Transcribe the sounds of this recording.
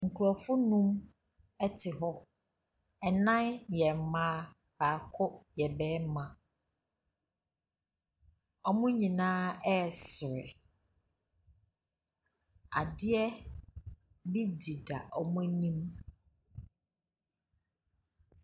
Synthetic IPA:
ŋ̩˨kʰu˨ɾɔ˨fʊ˦nũ˦m | ɛ˦tʰɪ˨ɦɔ˦ | ɛ˨nã˦njɛ˨m˨mãː˦ | b̥aː˨kʰʊ˦jɛ˨bɛː˦mã˨ | ɔ˦mʊ̃˦ɲĩ˨nãː˦ɛ˦˨sɪ˨ɾɪ̰˨ | a̰˨dɪ˦ɛ˦ | bi˦di˨da˨ʔɔ˨mʊ̃˦nĩ˦m

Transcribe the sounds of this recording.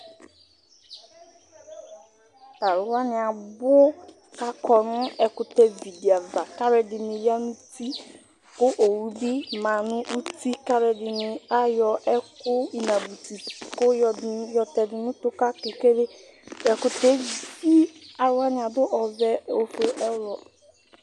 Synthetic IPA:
ta˨ɾʊ˨wa˦nɪ˨a˨bʊ˦ | ka˦kɔ˨nʊ̃˦ɛ˨kʊ˨tɛ˨vi˨di˨a˨va˨ka˦ɾɛ˨dɪ˨nɪ˨ja˦nu˦ti˦ | kʊ˦ʔo˨wu˦bi˦mã˨nʊ̃˦ʔu˦ti˦ka˦ɾɛ˨dɪ˨nɪ˨a˦jɔ˨ʔɛ˦kʊ˦i˨na˨bu˨ti˨kʊ˦jjɔ˨tɛ˨dɪ˨nʊ̃˦tʊ˦ka˦ke˨ke˦ɾe˦ | ɛ˨kʊ˨tɛ˦i˦a˨ɾʊ˨˦wa˦nɪ˨a˨dʊ˦ʔɔ˨zɛ˦o˨fo˨ʔɛ˦ɾɔ˨

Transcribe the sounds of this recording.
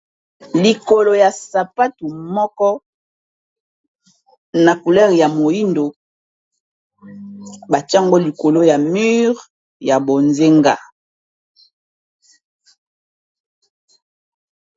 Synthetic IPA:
li˨ko˨lo˨ja˨sa˨pa˦tu˨mɔ˦kɔ˦ | na˨ku˨lɛ˦ʁja˨mo˨ji˦ndo˨ | ba˨ta˦ŋɡo˦li˨ko˨lo˦ja˨my˦ʁ | ja˨bo˨nze˦ŋɡa̰˦

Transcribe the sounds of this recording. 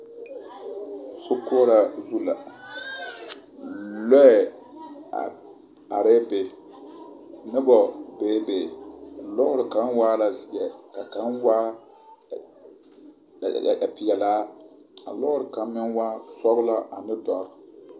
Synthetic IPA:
sʊ˦kʊ˦ɔ˦ɾa˨zu˦la˨ | lɔ˦ɛ̰˨ | a̰˨ɾe˦be˨ | nɪ˦bɔ˨beː˨˦be˨lɔ˦ʊ˦ɾɪ˨ka˨˦n˦waː˦la˨zi˨jɛ˨ka˨ka˨˦nwa˦˨ | a̰˨pɪ˨jɛ˨laː˨˦ | a̰˨lɔ˦ʊ˦ɾɪ˨ka˨˦mɪ˦nwa˦sɔ˦ɣʊ˦la˦ʔa˨nɪ˦dɔ˨ɾ

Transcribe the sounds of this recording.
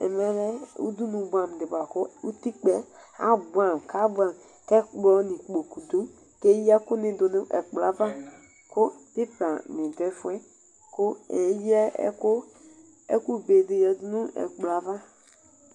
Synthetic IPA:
ɛ̰˨mɛ˦ɾɛ˦ṵ˦du˦nũ˨bʷã˨m˨dɪ˨ba˨kʊ˦u˦ti˦k͡pɛ˦a̰˦bu˨a˨mka˦bu˦a˨m | kɛ˦k͡pɔ˦nĩ˨k͡po˨ku˨du˦ | ke˦ja˦kʊ˦nɪ˨do˨nʊ̃˦ʔɛ˨k͡pla˨˦va˦ | kʊ˦dɪ˦pɾa˨nɪ̃˨dɛ˨˦fu˦ɛ˦ | kʊ˦ɛ˨˦ji˦ɛ̰˦kʊ˦ | ɛ̰˦ku˦˨be˨de˨jɛ˨du˦nũ˦ɛ̰˨k͡pla˨˦va˦

